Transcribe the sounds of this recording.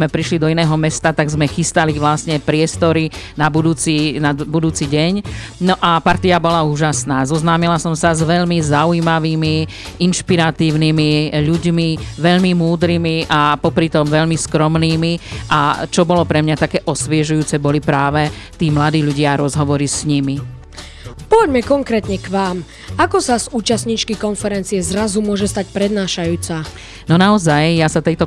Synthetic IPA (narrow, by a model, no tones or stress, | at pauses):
mɛpɾiʃlid̪ɔinɛːɦɔmɛst̪at̪aɡzmɛxist̪aliʋlasɲɛpɾɪɛst̪ɔɾinabud̪uːt͡sinabud̪uːt͡siɟɛɲnɔʔapaɾt̪iabɔlauːʒasnaːzɔznaːmilasɔmsazʋɛʎmizaujimaʋiːmi | inʃpiɾat̪iːʊnimiʎuɟmiʋɛʎmimuːd̪ɾimiʔapɔpɾit̪ɔmʋɛʎmiskɾɔmniːmiʔa̰t͡ʃɔbɔlɔpɾɛmɲat̪akɛːʔɔsʋɪɛʒujuːt͡sɛbɔlipɾaːʋɛt̪iːmlad̪iːʎuɟɪaɾɔzɦɔʋɔɾisɲimi | pɔʋɔɟmɛkɔŋkɾɛːt̪ɲɛkʋaːm | akɔsazuːt͡ʃasɲiːt͡ʃkikɔnfɛɾɛnt͡siɛzɾazumʊɔʒɛst̪ac̚pɾɛd̪naːʃajuːt͡sa | nɔnaɔzajjasat̪ɛjt̪ɔ